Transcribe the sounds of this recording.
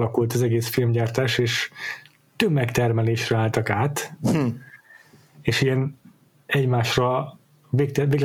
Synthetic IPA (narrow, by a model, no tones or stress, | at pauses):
lɒkult̪ɒzɛɡeːsfilmɟaːrt̪aːʃeːʃ | t̪øbmːɛkt̪ɛrmɛleːʃrɛaːlt̪ɒkaːt̪ | eːʃijɛn | ɛɟmaːʃrɒ | vek̚t̪ɛveːɡ